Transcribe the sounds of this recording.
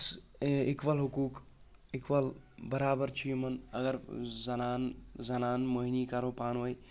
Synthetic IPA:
sekʋəlɦʊkuːkekʋəlbəɾaːbəɾt͡ʃʰimənɐ̰ɡəɾzɐnaːnzɐnaːnmoɦinikaːɾopaːnɦoːj

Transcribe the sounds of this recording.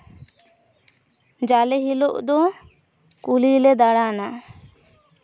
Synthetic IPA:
d͡ʒalɛɦiloʔd̪ɔ | kulilɛd̪aɽana

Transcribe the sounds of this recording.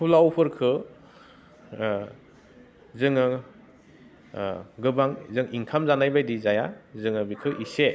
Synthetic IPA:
pʰulawpʰɯɾkʰɯ | zɯŋɯ | ɡɯbaŋzɯŋiŋkʰamzanajbajdizajazɯŋɯbikʰɯʔise

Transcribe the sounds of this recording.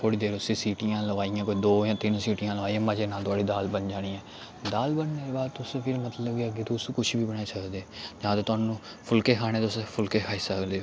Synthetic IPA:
kʰoːɽiːd̪eːɾʊsĩːsiːʈijãːləʋaːijãːkoːid̪oːjãːt̪ɪnsiːʈijãːləʋaːiãːmad͡ʒeːnãːt̪ʊaːɽiːd̪aːlbənd͡ʒaːɽ̃iːɛː | d̪aːlbənːeːɾeːbaːd̪̚t̪ʊsẽːpʰɪɾmət̪ləbɡaɡeːt̪usːkʊʃʰbiːbənaːiːsəkd̪eːd͡ʒãːt̪eːt̪ʊaːnũː | pʰʊlkeːkʰaːɽ̃eːt̪ʊspʰʊlkeːkʰaːiːsəkd̪eː

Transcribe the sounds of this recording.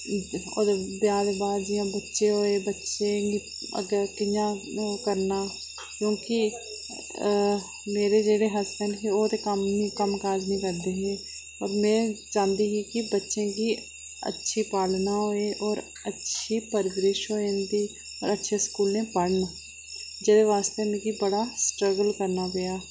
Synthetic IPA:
ɔːɾbjaːd̪baːd͡ʒijãbətːʃeɦoːebətːʃẽḭ | ɡkɪjakəɾna | kjõːki | meːɾed͡ʒeːɽeɦɐst̪ənkeoːt̪ekəmnikəmkaːd͡ʒnĩkəɾd̪ẽːɡe | ɔːɾmẽd͡ʒãːnd̪iɦikibətːʃẽki | ə̰tːʃʰipaːlnaɦoeʔɔːɾ | ətːʃʰipəɾʋɪɾɪʃɦoːẽnd̪i | ɔːɾətːʃʰeskuːlẽpəɽn | d͡ʒɛːd̪eʋaːst̪emẽkibəɽasʈɾəɡəlkəɾnabejaː

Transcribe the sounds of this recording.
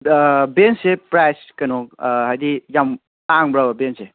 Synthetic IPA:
bensepɾajskɐnɔhajdijam | taŋbɾabɐbense

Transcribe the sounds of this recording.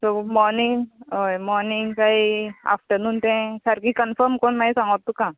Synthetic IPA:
somɔɾniŋɡɦojmɔɾniŋɡkaɦia̰fʈəɾnuːnt̪ɛ̃səɾkĩkənfəɾmkoɳmaisãŋɡt̪ːukã

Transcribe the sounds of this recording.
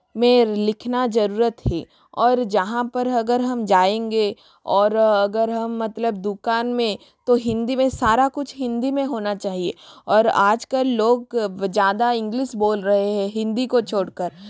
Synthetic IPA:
mẽlɪkʰnad͡ʒɐɾuːɾət̪ɦḭ | ɔːɾd͡ʒɐɦãpɐɾɐɡəɾɦɐmd͡ʒaːẽːŋɡe | ɔːɾɐɡəɾɦɐmːɐt̪ləb̚d̪ʊkaːnmẽ | t̪oɦɪ̃nd̪imẽsaːɾakʊt͡ʃʰɦɪ̃nd̪imẽɦoːnat͡ʃaːɦiḛːɔːɾaːd͡ʒkəlːoːɡd͡ʒjaːd̪aɪ̃ŋɡlɪʃboːlɾɐɦeɦɛ̃ɦɪ̃nd̪ikot͡ʃʰoːɽkəɾ

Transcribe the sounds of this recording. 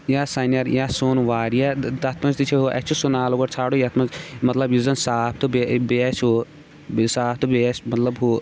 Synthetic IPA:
jasaːnijɐɾjaːsoːnʋaːɾjat̪ɐt̪ʰmɐd͡ʒt̪it͡ʃʰeɦoʔɛ̰t͡ʃʰusunaːloɡɐɾt͡sʰaːɽojɐt̪ʰmɐzmɐt̪lɐbjuzɐnsaːpʰt̪obebeʃɦo | saːp̚ʰt̪ɨbesmɐt̪lɐbɦo

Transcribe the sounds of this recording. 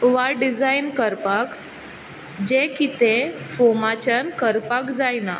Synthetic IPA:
ʋaɖid͡zajnkəɾpak | d͡ʑekit̪ẽfomat͡ɕənkəɾpakd͡zajna̰

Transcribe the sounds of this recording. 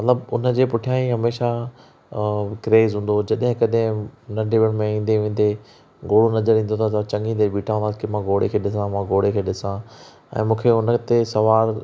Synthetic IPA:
mɐt̪ləbʊnəd͡ʑeːpʊʈʰijaːĩɦɐmeːʃa | kɾeːzɦũːn̆d̪od͡ʑɐɗɦɪ̃kɐɗɦɪ̃nɐɖeʋɽ̃̆mẽĩːn̆d̪eʋẽːn̆d̪e | ɡoːɽonɐzəɾĩːn̆d̪ot̪ʰat̪t͡ɕɐ̃ŋĩt̪eɓiːʈʰaːə̃nd̪aːsi̥kimãɡoːɽekʰeːɗɪsãmãɡoːɽekʰeːɗɪsã | ɛ̰̃ːmũːkʰeʊnət̪esɐʋaːɾ

